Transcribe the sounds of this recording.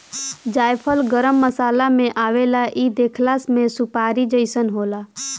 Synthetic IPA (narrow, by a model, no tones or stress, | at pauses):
d͡ʒaːjpʰəlɡəɾəmːəsaːlamẽʔaːʋelaʔid̪eːkʰlaːsmẽsʊpaːɾid͡ʒəɪsənɦoːlaː